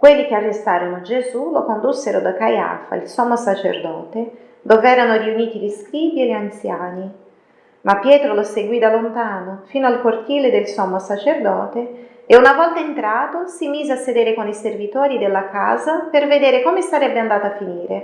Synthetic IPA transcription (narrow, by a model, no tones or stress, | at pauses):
kwelːik̟earːest̪aːɾonoad͡ʒezulokond̪usːeɾod̪akaja̰ːfa̰ilsɔmːasat͡ʃḛrd̪ɔːt̪e | d̪oːveɛːɾanoriuniːt̪iliskɾiːvielːeant̪sjaːni | mapːjɛːt̪ɾoloseɡwid̪alːont̪aːnofiːnoalkort̪iːled̪elsɔmːasat͡ʃerd̪ɔːt̪eː | unavɔlt̪aent̪ɾaːt̪osimiːzeasːed̪eːɾekoniservit̪ɔːɾid̪elːaka̰ːzaperved̪eːɾekomesaɾɛbːeand̪aːt̪afːiniːɾe